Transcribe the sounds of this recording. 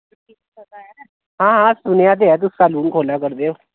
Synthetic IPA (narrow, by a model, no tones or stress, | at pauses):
a | ɦãːɦãsʊnjat̪̬eat̪̬ʊskaluːnkʰoːlakəɾd̪eo